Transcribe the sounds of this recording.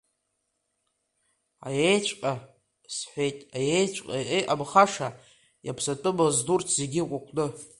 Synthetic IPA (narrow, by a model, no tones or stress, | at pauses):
a̰jejt͡ʃʷʰʼqʼa | sħʷejtʼajejt͡ʃʷʼqʼaʔejʔabχaʂa | japʰsatʼɨbazdurt͡sʰz̥eɡʲikʷʼakʷʼnɨ